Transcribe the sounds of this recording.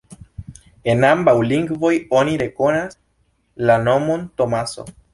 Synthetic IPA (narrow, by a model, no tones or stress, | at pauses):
e̞nambawliŋɡvo̞joniɾe̞ko̞nas | lano̞mo̞nt̪o̞maso̰